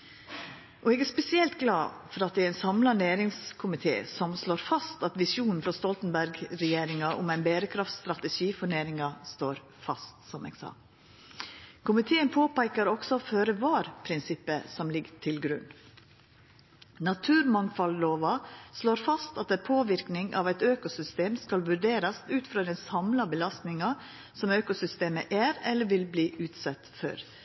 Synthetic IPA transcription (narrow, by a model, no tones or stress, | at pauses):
ʔɔeːɡæːɾspɛsɪɛlt̪ɡlɑ̰ːfɔɾɑt̪̚d̪ɛːæɾæɪnsɑmlɑneːɾɪŋskʰʊmɪt̪ʰḛːsɔmsloːɾfɑst̪ɑt̪ʋɪsjuːnn̩fɾɑst̪ɔlt̪n̩bæɾɡɾɛjeːɾɪŋɑʔʊ̰mæɪnbeːɾəkʰɾɑft̪st̪ɾɑt̪ɛʂiːfɔneːɾɪŋɑst̪oːɾ | fɑst̪sɔmḛːɡ̥sɑ̰ː | kʰʊmɪt̪ʰeːənpʰoːpæɪkəɾɔksɔføːɾəʋɑːɾpʰɾɪnsɪpːəsɔmlɪɡt̪ʰɪlɡɾʉ̰nː | nɑt̪ʰʉːɾmɑnfɑlloːʋɑsloːɾfɑst̪ɑt̪ɛnpʰoːʋɪɾknɪŋʔɑ̰ʋæɪt̪øːkʊsʏst̪eːmskɑlʋʉɖeːɾɑsʉːt̪fɾɑːd̪ɛnsɑmlɑbəlɑst̪nɪŋɑ | sɔmøːkʊsʏst̪eːməʔæːɾɛlːəʋɪlbliːʔʉːt̪sɛt̪fø̰ːɾ